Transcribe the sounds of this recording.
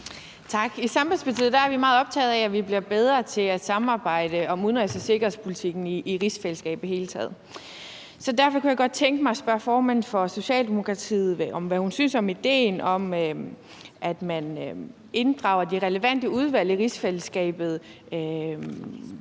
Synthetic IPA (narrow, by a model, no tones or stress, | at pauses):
t͡sʰɑ̈ɡ̥isɑ̈mb̥ænspʰɑ̈t͡sʰið̩ˠd̥ææɐʋimɑ̈ːð̩ˠɒ̽b̥̚t͡sʰɛ̰ːð̩ˠææʋib̥liɐb̥eð̞ˠʁɐt͡sʰe̝læd̥sɑ̈mɑ̈ːb̥ɑ̈ɪ̰d̥əɒ̽muðˠnʁesəse̝ɡ̥ɐhespʰulit͡sʰiɡ̥n̩iʔːʁisfeləsɡ̥ɛ̰ːb̥ð̥̩hɦe̝ːlət͡sʰɛ̰ːð̩ˠ | sɒ̽dæɐfɒ̽kʰujɑ̈ɡ̥ɒ̽d̥̚t͡sʰeŋɡ̥əmɑ̈ɪsb̥ɶɐfɒːmænn̩fɒ̽so̝ɕɛ̰ːld̥e̝mo̝kʰʁɑ̈t͡sʰḭːð̩ˠʔɒ̽mʋæhunsynsɒ̽mid̥e̝̰ːnɒ̽m | ʔæd̥mæn | e̝nd̥ʁɑ̈ʊɐd̥iʁɛləʋæn̰d̥əuð̞ˠʋæl̰iʁisfel̰əsɡ̥ɛ̰ːb̥ð̞̩ˠ | ø